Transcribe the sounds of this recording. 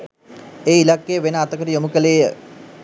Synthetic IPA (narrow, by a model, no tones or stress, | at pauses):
eːilakːejəʋenəat̪əkəɾijomukəlejə̰